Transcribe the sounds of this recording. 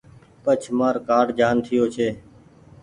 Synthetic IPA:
pət͡ʃʰmaːɾkaːɖd͡ʒaːnt̪ʰɪjoːt͡ʃʰeː

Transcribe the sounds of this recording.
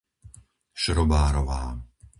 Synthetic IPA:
ʃɾɔbaːɾɔʋaː

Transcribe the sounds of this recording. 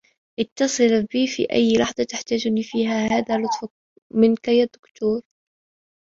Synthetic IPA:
ʔɪt̪ːɑsˤɨlbiːfḭːʔa̰jːlɑħd̪ˤɑt̪aħt̪aːd͡ʒniːfiːɦahaːðalʊt̪ˤf | mɪnkajad̪ːʊkt̪uːɾ

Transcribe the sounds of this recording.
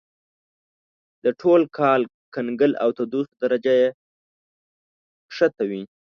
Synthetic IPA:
d̪̥əʈʰolkʰɑl | kanɡəla̰wt̪ad̪usd̪aɾad͡ʒaje | ʂət̪awi

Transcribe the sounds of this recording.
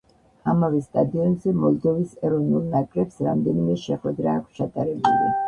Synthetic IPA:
amavist̪ʼad̪iɔnzɛmɔlˠd̪ɔvisɛɾɔvnulˠnakʼɾɛpsɾamd̪ɛnimɛʃɛχwɛd̪ɾaːkʰst͡ʃʰat̪ʼaɾɛbulḭ

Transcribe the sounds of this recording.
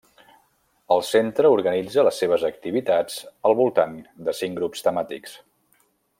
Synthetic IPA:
əlˠsent̪ɾəuɾɣənid͡zələsːeβ̞əzək̚t̪iβ̞it̪ad͡zəlˠβulˠt̪and̪əsiŋɡɾupst̪əmat̪ḭks

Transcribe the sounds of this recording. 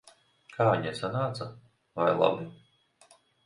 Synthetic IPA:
kʰaːɲɛsanaːt̪sa | vajlˠa̰bi

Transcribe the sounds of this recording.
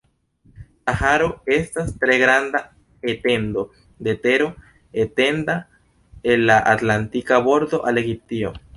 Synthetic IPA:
ahaɾoest̪ast̪ɾeɣɾand̪a | et̪end̪o | d̪et̪eɾo̞ | et̪e̞nd̪a | elːaʔat̪lant̪ikaβo̞ɾd̪o̞ʔalexip̚t̪io̰

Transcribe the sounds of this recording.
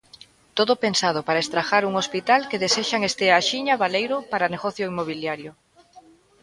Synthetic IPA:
t̪oðʊpensað̞ʊpaɾaest̪ɾaxaɾuŋospit̪alkeðeseʃaŋest̪eaʃiɲaβalejɾʊpaɾaneɣɔθjoimoβ̞iljaɾjʊ

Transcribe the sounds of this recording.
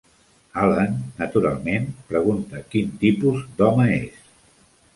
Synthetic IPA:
alənːət̪uɾa̰lˠmenpɾəɣ̞unt̪əkint̪ipuzd̪ɔməḛs

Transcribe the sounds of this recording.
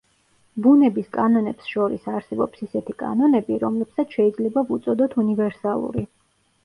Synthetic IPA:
bunɛbiskʼanɔnɛpsʃɔɾḭsaɾsɛbɔpsisɛt̪ʰikʼa̰nɔnɛbiɾɔmlɛbsat̪ʰʃɛid̪zlɛbavut̪sʼɔd̪ɔt̪ʰunivɛɾsalˠṵɾi

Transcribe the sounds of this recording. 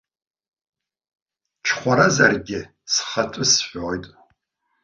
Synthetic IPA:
ʈ͡ʂʰχʷaɾazarɡʲɪ | sχatʷʼʊsħʷᶣoːjtʼ

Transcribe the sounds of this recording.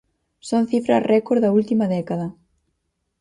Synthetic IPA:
sonθifɾɐ̰rʔɛkoɾðɐult̪imɐðɛkaðɐ

